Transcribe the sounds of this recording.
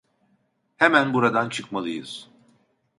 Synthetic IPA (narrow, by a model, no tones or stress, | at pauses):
hemænbuɾad̪ant͡ʃʰɯkmalˠɯjɯ̰z̥